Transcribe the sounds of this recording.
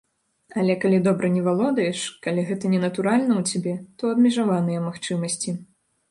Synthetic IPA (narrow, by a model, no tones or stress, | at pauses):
ɐlʲɛkalʲid̪ɔbɾɐnʲɛvalˠɔd̪ɐjɛʂkalʲiɣɛt̪ɐnʲɛnɐt̪uɾalʲnɐwt͡sʲabʲɛt̪ɔɐbmʲɛʐavanɨjɐmaxt͡ʂɨmɐsʲt͡sʲi